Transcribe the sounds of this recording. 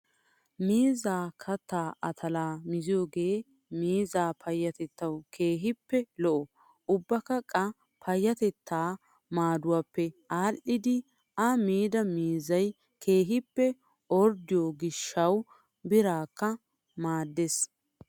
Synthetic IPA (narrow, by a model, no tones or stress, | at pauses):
miːzaːkʰɐt̪ːaːʔɐt̪ʰɐlaːmɪzɪjoːɡeː | miːzaːpʰɐjːɐt̪ɛt̪ːɐwkʰe̞ːɦɪpːɛlɔʔɔ | ʊbːɐkːɐkʼɐ | pʰɐjːɐt̪ɛt̪ːaː | maːd̪ʊwaːpːɛʔaːlʔɪd̪ɪ | ɐmiːd̪ɐmiːzɐj | kʰe̞ːɦɪpːɛ | ɔɾd̪ɪjoɡɪʃːɐw | bɪɾaːkːɐ | maːd̪ːes